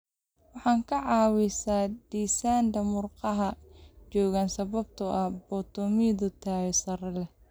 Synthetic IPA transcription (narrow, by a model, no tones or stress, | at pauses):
wɑħɑːŋkʰɐʕɑːwɪsaːd̪̥iːsaːnd̪ɐmʊrqɑɦɐt͡ʃɔːɣaːnsɐβɐb̚t̪ʰʊʔɐbɔːt̪ʰɔmiːðʊt̪ʰaːɣɛsɐɾɐlɛ